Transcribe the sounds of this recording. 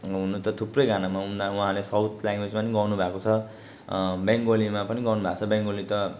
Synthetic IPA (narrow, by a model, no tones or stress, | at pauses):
ɦunut̪ʌt̪ʰuprʌjɡʱanamaund̪awuɦãlesʌwt̪ʰljaŋɡwed͡zmaniɡʌnubʱakot͡sʰʌ | bjaŋɡolimapʌniɡʌrnubʱakt͡sʰʌbjaŋɡolit̪ʌ